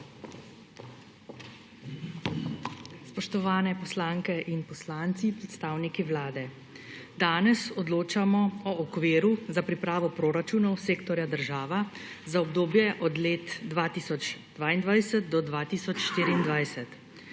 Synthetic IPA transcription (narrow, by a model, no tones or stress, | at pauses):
spɔʃt̪ɔʋaːnɛpɔslaːŋkɛʔinpɔslaːnt̪sipɾɛt̪st̪aːwnikiʋlaːd̪ɛ | d̪aːnɛsɔd̪loːt͡ʃamɔɔːkʋeːɾuzapɾipɾaːʋɔpɾoːɾat͡ʃuːnɔwseːkt̪ɔɾjad̪əɾʒaːʋa | zaɔbd̪oːbjɛʔɔd̪leːt̪d̪ʋaːt̪iːsɔt͡ʃd̪̥ʋaːind̪ʋajsɛt̪̚d̪ɔd̪ʋaːt̪iːsɔt͡ʃʃt̪iːɾiːnd̪ʋajsɛt̪